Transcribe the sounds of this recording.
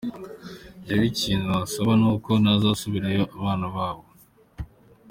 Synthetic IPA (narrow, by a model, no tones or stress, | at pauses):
eβiciːnuβasoβanuːko̞nazasuβiɾejoʔaβaːnaβaːβo̞